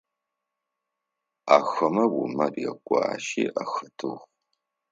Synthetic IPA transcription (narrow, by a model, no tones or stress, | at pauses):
aːxɐmɐwʊmɐrjɛkʷʼɑːʃiːʔaxɐtʰɨ̰ʁ